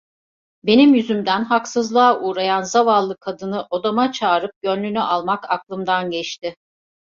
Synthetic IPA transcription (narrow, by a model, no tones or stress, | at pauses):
be̞nimjyzymd̪ænɦaksɯzlˠaːʔuːɾajanzavalˠːɯkʰad̪ɯnɯʔo̞d̪amat͡ʃʰaːɾɯp̚ɟønlʲynyʔalˠmakʰaklˠɯmd̪anɟɛt͡ʃt̪ɪ